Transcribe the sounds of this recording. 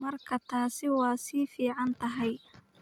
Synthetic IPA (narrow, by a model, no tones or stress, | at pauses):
mɐrkʰɐt̪ʰaːsɪwɑːsiːfiːʕɑnt̪ʰɐɦɛj